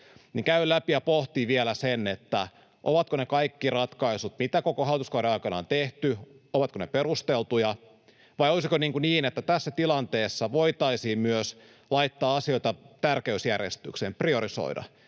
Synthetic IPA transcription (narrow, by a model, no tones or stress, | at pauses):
niːŋkæylæpijɑpoht̪iʋielæsenːet̪ːæ | ʔoʋɑt̪konekɑikːirɑt̪kɑisut̪mit̪ækokohɑlit̪uskɑuɾeɑikɑnɑ̰ont̪eht̪yoʋɑt̪koneperust̪elt̪ujɑ | ʋɑjolisikoniːŋkuniːnet̪ːæt̪æsːæt̪ilɑnt̪eːsːɑʋoit̪ɑisiːmmyøs | lɑit̪ːɑːɑsio̞it̪ɑt̪ærkeysjærjḛst̪y̰ksemprioɾiso̰idɑ̰